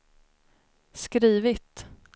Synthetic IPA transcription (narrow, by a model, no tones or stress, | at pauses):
skɾiːvɪt̪